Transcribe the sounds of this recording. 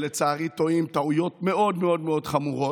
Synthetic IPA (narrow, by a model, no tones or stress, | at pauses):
let͡saːʁito̞imt̪aujo̞tme̞o̞dmeo̞dmeo̞d̪χamuʁo̞